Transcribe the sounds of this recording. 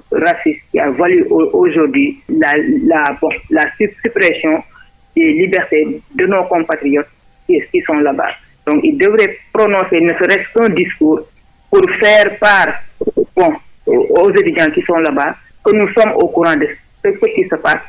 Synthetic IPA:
rasiskia̰valyʔʔoʒurdwɥilalabɔ̃lasysypɾɛsjɔ̃ | delibɛɾtedənɔkɔ̃patɾijɔt̚ | kikisɔ̃laba̰ | dɔ̃ŋkildəvɾɛpɾonɔ̃senəsəɾɛstkə̃diskuːɾ | puɾfɛːrpaːrbɔ̃ozetyd͡ʒãkisɔ̃laba | kənusɔmokuɾɑ̃də | səsəkisəpas

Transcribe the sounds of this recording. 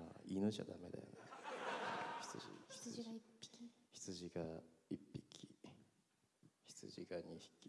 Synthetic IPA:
ainɨʑad̪ame̞d̪a̰jo̰na | çʲi̥t͡sɨʑḭçi̥ii̥içi̥t͡sɨʑiɡaipʲːikʲʰi | çi̥t͡sɨʑiɡaɲiçi̥kʲi

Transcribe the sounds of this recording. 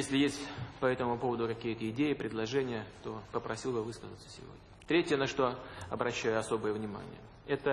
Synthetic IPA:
jesʲlʲɪjesʲtʲpɐɛt̪əmʊpovəd̪ʊkɐkʲijət̪əɪdʲejɪpɾʲɪd̪lˠɐʐɛnʲɪjət̪o̞pəpɾɐsʲilˠbɨvɨskəzət̪sə̥sʲɪ̰vo̞̰dʲnʲət̪ɾʲetʲɪjənɐʂt̪o̞ɐbɾɐɕːæjʊɐso̞bəjəvnʲɪma̰nʲɪ̰jə̰ | ɛt̪ə

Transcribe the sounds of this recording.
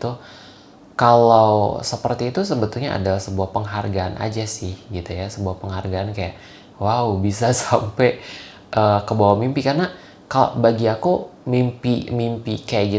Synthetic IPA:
t̪u | kalawsəpərt̪iːt̪usəbət̪ʊlɲaʔa̰dalahsəbuahpəŋɦarɡaanʔa̰d͡ʒasɪhɡit̪ujasəbuahpəŋharɡaankajaʔ | waubisasaampɛ | ʔəkəbawamimpikarna | kalo̰baɡiakumimpimimpikajaʔɡi

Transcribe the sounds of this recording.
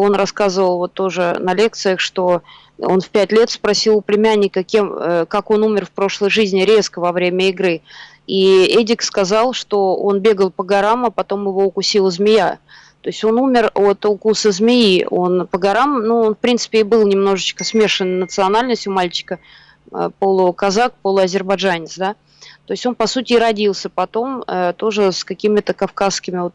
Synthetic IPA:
o̞nrɐskazəvəlˠvo̞t̪ːo̞ʐɨnɐlʲe̞k̚t̪sɨjəxʂt̪o̞ | o̞̰nfpʲætʲlʲe̞t̪spɾɐsʲilˠʊplʲɪmʲænʲːɪkəkʲemə̰kako̞numʲɪrfpɾo̞ʂlˠəjʐɨzʲnʲɪɾʲe̞skəvɐvɾʲemʲəɪɡɾɨ | iedʲɪkskɐzɑlˠʂt̪o̞o̞nbʲe̞ɡəlˠpəɡɐɾaməpɐt̪o̞mjɪvo̞ʊkʊsʲilˠəzmʲɪja | t̪o̞ɪsʲtʲo̞numʲɪro̞t̪ʊkusəzmʲɪjio̞npəɡɐɾamnuonfpɾʲintsɨ̥pʲɪːbɨlˠnʲɪmno̞ʐɨt͡ɕkəsmʲe̞ʂɨnnət̪sɨɐnalʲnəsʲtʲʊmalʲt͡ɕɪ̥kə | ə̰polˠʊkɐzakpolˠʊɐzʲɪrbɐʐanʲɪt̪sd̪a | t̪o̞ɪsʲtʲo̞npɐsutʲɪːɾɐdʲilˠsʲəpɐt̪o̞mət̪o̞ʐɨskɐkʲimʲɪt̪əkɐfkaskʲɪmʲɪot̪̚

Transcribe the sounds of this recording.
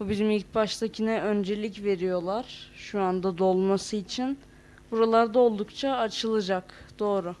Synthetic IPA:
bubiɾimilʲc̚baʃt̪acʰinɛʔønd͡ʒe̞lʲicve̞ɾijo̞lˠaɾ̥ʃuand̪ad̪o̞lˠmasɯit͡ʃʰin | buɾalˠaɾd̪ao̞lˠd̪ukt͡ʃʰaːt͡ʃʰɯlˠɯd͡ʒakd̪̥o̞ːɾʊ

